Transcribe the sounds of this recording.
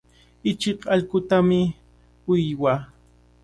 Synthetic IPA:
ɪt͡ʃɪqɑʎkʊt̪amɪ | ʊjwaː

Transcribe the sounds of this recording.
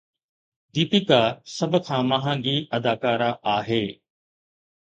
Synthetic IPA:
d̪iːpikaːsɐbʱkʰãːmɐɦãːŋɡiːʔɐd̪aːkaːɾaʔaːɦeː

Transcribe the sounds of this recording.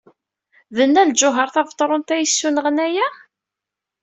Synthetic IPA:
ðənːæld͡ʒʊɦəɾˤθɑvt̪ˤːɾˤont̪æjəsːunəʁənæjæ

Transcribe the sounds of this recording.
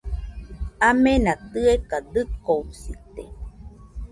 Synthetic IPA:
amenat̪ɯekad̪ɨkousit̪ḛ

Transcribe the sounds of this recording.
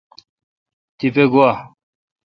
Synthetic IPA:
t̪ipeɡoa

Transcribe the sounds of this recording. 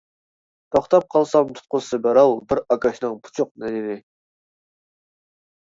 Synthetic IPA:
t̪ʰoχt̪ɑp̚qʰɑlˠsɑŋt̪ʰu̥t̪̚qʊsɨbɛɾɑlˠbɪɾɑkɑʃnɨŋpʰu̥t͡ʃʰʊq̚nɛnɪnɪ

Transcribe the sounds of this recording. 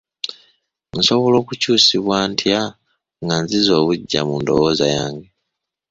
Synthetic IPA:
nso̞βo̞lo̞ːkucuːsiβwaːntʰja | ŋɡanzizo̞ːβuɟːa̰mundo̞̰wo̞zajaːŋɡe

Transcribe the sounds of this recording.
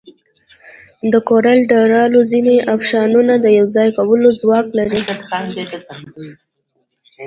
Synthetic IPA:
d̪əkoɾalɖaɾɑlozineʔafʃɑnunad̪əjawzɑjkawəlozwɑklaɾi

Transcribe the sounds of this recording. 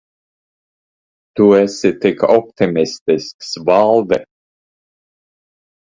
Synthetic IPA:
t̪uɛsɪt̪ɪkɔp̚t̪ɪmɪst̪ɪsksvalˠvɛ

